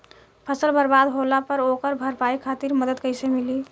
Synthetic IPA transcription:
pʰəsəlbəɾbad̪ɦolapəɾokəɾbʱəɾpaikʰat̪iɾməd̪əd̪kəɪsemili

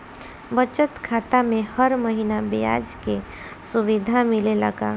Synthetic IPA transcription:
bət͡ʃət̪kʰaːt̪amẽhəɾməɦinabija̰ːd͡ʒke | suʋid̪ʱamilelə̰ɡa̰ː

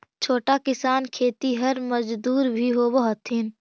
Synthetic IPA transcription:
t͡ʃʰoːʈakɪsaːnkʰeːt̪iɦɐɾməd͡ʒd̪uːɾbʱiɦobəɦɔt̪ɦɪn

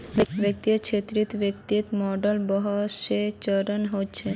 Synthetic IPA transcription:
ʋjək̚t̪it͡ʃʰet̪ɾit̪ʋjek̚t̪it̪mɔɖəlbɔɦɔʃet͡ɕəɾənɦot͡ɕʰe

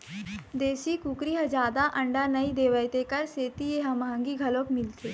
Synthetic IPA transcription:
d̪eːʃikukɾiɦəd͡ʒaːd̪aʔɐ̃ɳɖanɐid̪eːʋəjt̪ekɐɾseːt̪ieɦɐmaɦə̃ŋɡiɡʱɐlokmɪlt̪eː

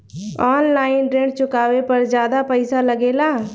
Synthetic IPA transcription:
ɔːnlaːɪnʈɾẽːɳɖt͡ʃʊkaːʋepəɾzjaːd̪apəɪsaləɡeːlaː

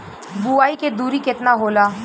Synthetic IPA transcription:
buaːiked̪uːɾikɪt̪naɦoːlaː

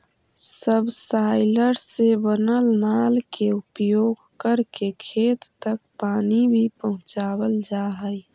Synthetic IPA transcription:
səbsaːɪləɾsebənəlnaːlkeʊpjoːɡkəɾkekʰeːt̪ːək̚paːnibʱipəɦʊ̃t͡ʃaːwəld͡ʒaːɦəj

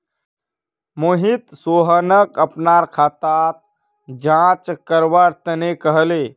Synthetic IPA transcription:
moɦit̪soɦənəkəpnaɾkʰat̪at̪̚ | d͡ʒãt͡ʃkəɾʋəɾt̪ənekəɦəle

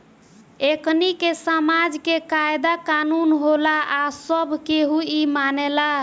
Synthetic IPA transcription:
eknikesamad͡ʒkekaed̪akanunɦolaʔasəbʱkeɦuimanela

